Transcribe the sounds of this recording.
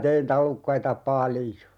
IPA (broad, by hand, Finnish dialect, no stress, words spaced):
tein tɑlukːɑitɑ pɑlĭjo